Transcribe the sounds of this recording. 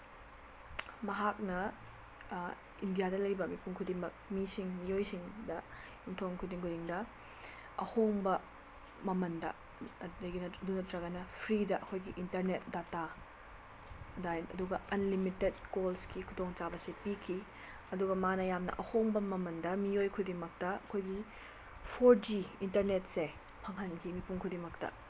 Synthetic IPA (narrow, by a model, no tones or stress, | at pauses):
mɐɦak̚nɐ | indijadɐlɐɾibɐmipuŋkʰudiŋmɐk̚misiŋmijojsiŋdɐ | jumtʰoŋkʰudiŋkʰudiŋdɐ | ɐ̰hoŋbɐ | mɐmɐndɐ̰ | dɐɡinɐdunɐtɾɐɣɐnɐpʰɾidɐʔɐkʰojɡiʔintɐɾnet̚data | dajɐduɡɐɐnlimited̚kolskikʰudoŋt͡ʃabɐsepikʰi | ɐduɡɐmanɐjamnɐ̰ʔɐhoŋbɐmɐmɐndɐmiojkʰudimɐk̚tɐɐkʰojɡi | pʰoɾd͡ʒiintɐɾnet̚se | pʰɐŋɦɐnkʰimipuŋkʰudimɐk̚tɐ̰